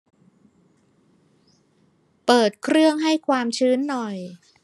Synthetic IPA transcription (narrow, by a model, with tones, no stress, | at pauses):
pɤː˨˩t̪̚kʰɾɯ˥˩əŋɦa˥˩jkʰwaː˧mt͡ɕʰɯː˦˥nːɔ˨˩j